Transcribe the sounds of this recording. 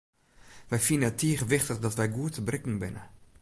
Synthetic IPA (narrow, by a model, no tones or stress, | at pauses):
ʋɛjfinənətʰːiəχəʋɪχtəχdɔtʋɛjɡuətəbrɪkn̩bɪnə̰